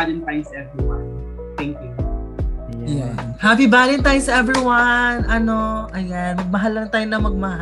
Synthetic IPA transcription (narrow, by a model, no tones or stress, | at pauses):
alɛnt̪aːjʊsɐʔɛvɹiwɐ̰n | t̪ɛŋkju | jjanhapibaːlɛnt̪aːjosɐʔɛvɹiwɐnʔɐno̞ʔɐjjanmɐɡ̚mɐɦalːɐŋt̪aːjonɐmɐɡ̚mɐha